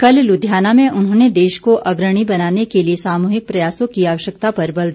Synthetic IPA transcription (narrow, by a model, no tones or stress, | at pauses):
kɐllʊd̪ʱjaːnamẽʔʊnɦõːned̪eːʃkoʔɐɡɾəɽ̃ibɐnaːnekeliesaːmuːɦɪk̚pɾɐjaːsõkiaːʋəʃjəkt̪apɐɾbɐld̪ʱ